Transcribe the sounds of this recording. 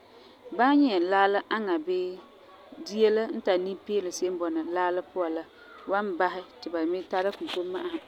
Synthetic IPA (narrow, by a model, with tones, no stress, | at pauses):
ba˦ɲɛ˦˨laː˦la˦ʔa˦ŋa˨bɪː˦ | di˦e˦la˦n̩˦ta˨nĩ˦pɪː˦lɪ˨se˦m˦bɔ˨na˨laː˦la˦pʊ˦a˨la˦ | wa˦nba˦ɦɪ˦tɪ˨ba˨mɪ˦ta˦ɾa˦ku˨to˦mːa˦ʔa˦hɪ˨